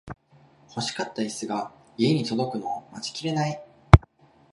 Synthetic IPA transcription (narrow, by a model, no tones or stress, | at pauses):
ho̞ɕi̥kat̪ːaisɨɡa | ie̞ɲ̟it̪o̞d̪o̞kɯ̟no̞mat͡ɕi̥kʲiɾe̞nai